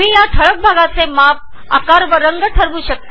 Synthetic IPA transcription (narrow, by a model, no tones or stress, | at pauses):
mĩjaʈʰəɭək̚bʱaɡat͡semap̚ | a̰kaɾʋəɾəŋɡəʈʰəɾʋũɕək̚t̪a